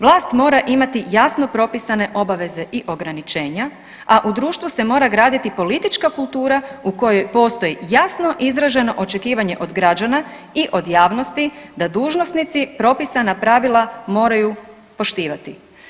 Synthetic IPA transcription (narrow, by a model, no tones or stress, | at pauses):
ʋlˠaːst̪mo̞ːɾaʔimat̪ijasno̞pɾo̞pisane̞ʔo̞baʋe̞ze̞ʔiʔo̞ɡɾanit͡ʃe̞ːɲa | aʔud̪ɾuːʃt̪ʋuse̞mo̞ːɾaɡɾaːd̪it̪ipo̞lit̪it͡ʃkakulˠt̪uːɾauko̞jo̞jpo̞ːst̪o̞jijasno̞ʔizɾaʒe̞no̞ʔo̞t͡ʃe̞kiːʋaɲe̞̰ʔo̞d̪ɡɾad͡ʒana | iʔo̞d̪jaːʋno̞st̪id̪ad̪uːʒnosnit̪sipɾo̞pisanapɾaʋilˠamo̞ːɾaju | po̞ʃt̪iːʋat̪i